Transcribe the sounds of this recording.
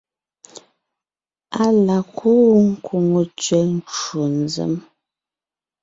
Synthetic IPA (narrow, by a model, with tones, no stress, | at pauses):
a˦la˨kʰu˦ŋ̩˦kʰu˨ŋo˨t͡ʃɥɛ˨n̩˦t͡ʃu˨n˨zə̰˨˦m